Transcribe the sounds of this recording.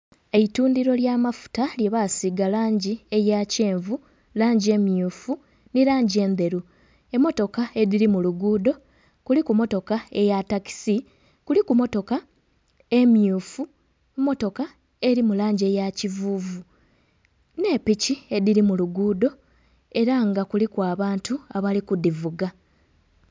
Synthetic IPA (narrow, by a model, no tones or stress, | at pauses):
e̞ituːndiɾo̞ljaːmafu̥taljeβasiɡalaːɲɟie̞jace̞ːɱvu | laːɲɟie̞mjuːfu | niɾaːɲɟie̞ːnd̪e̞ɾu | e̞mo̞to̞kae̞ðiɾimuluɡuːdo̞ | kulikumo̞to̞kae̞jataki̥si | kulikumo̞to̞ka | e̞mjuːfu | mo̞to̞ka | e̞ɾimulaːɲɟe̞jacivuːvu | ne̞picie̞ðiɾimuluɡuːdo̞ | e̞ɾaŋɡakulikwaːβaːntuaβalikudivuɡa